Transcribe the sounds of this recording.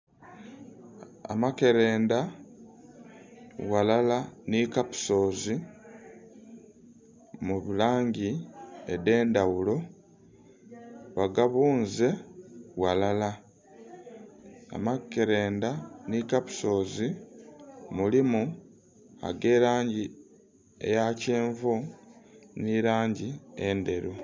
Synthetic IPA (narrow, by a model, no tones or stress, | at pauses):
a̰make̞ɾe̞ːnda | walalanikapu̥so̞ːzi | muβulaːɲɟiḛde̞ːndawulo̞ | βaɡaβuːnze̞walala | a̰makːeɾe̞ːndanikapu̥so̞ːzi | mulimu | a̰ɡe̞ːɾaːɲɟi | ḛjace̞ːɱvo | niɾaːɲɟiende̞ɾu